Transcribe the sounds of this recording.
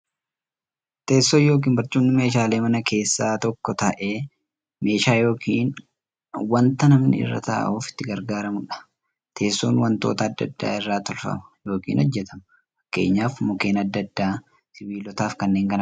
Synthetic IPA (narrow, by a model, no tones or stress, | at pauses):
t̪e̞ːsːoːjo̞ːk̬iːnbɐɾt͡ʃʼːuːnːɪme̞ːʃaːle̞ːmɐnɐkʰe̞ːsːaːt̪ɔkːɔt̪ɐʔeː | me̞ːʃaːjo̞ːkʰiːn | wɐnt̪ɐnɐmnɪ̰ɪ̰rːɐ̰t̪ɐ̰ːʔuːfɪ̥t̪ːɪɡɐɾɡaːɾɐmʊᶑɐ̥ | t̪ʰe̞ːsːoːnwɐnt̪o̞ːt̪ɐːd̪ːɐ̰d̪ːa̰ːɪrːaːt̪ɔlfɐ̰mɐ̥jo̞ːkḭːnɔd͡ʒːɛt̪ʰɐm | fɐkːe̞̰ːɲːaːfmɔke̞ːnɐd̪ːɐd̪ːaː | sɪbiːlɔt̪aːfkɐnːe̞ːŋkɐn